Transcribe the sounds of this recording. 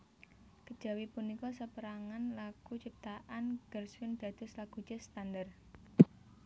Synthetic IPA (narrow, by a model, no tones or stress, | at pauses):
kəd̥ʒ̥a̤wipunikɔsəpəɾaŋanlaɡ̥ut͡ʃip̚t̪aʔanɡ̥ərsʊnd̪̥ä̤d̪̥ʊ̤slaɡ̥u̥d͡ʒ̥ɛ̤st̪and̪ər